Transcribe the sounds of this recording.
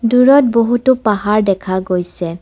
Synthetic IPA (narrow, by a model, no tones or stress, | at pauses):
duɹɔt̚boɦutʊpaɦaɹdɛkʰaɡojsɛ